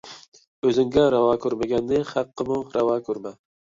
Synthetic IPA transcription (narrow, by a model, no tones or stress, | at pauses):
ɵzɪŋɡʲaɾavɑkʰɵɾmaɡʲanːɪχɑqːɨmʊɾavɑkʰɵɾma